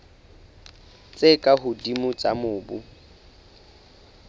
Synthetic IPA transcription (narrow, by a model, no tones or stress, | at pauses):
t͡sʼekʼaɦʊdimʊt͡sʼamʊːbʊ